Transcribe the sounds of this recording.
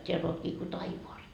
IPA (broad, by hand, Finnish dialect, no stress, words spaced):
tʲeælː oːtkiː ko tɑiʋoɑs